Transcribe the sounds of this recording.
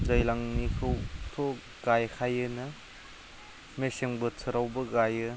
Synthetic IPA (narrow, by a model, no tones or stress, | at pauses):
dɐjlaŋnikʰɯwtʰo | ɡ̥ajkʰajɯnɐ | meseŋbɯt͡sʰɯɾawbɐɡajɯ